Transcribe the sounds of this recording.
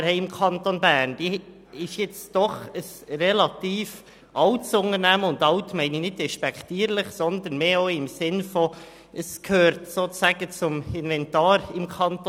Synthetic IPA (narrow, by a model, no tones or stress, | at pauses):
hɛɪɪmkʰɑntonbæːɾnd̥iː | ɪʃjɛt͡sd̥ɔχəsrɛlɑt̪iːf | ʔɑltsʊŋəɾnæməʊndɑltmɛɪninɪd̚dɛʃpɛktiːɾlɪχsɔnd̪ənmeːoʊɪmsɪnfɔ | əskʰhøːɾtsoːt͡sæɡ̥ət͡sʊmɪnvɛntɑːɾɪmkʰɑnt̪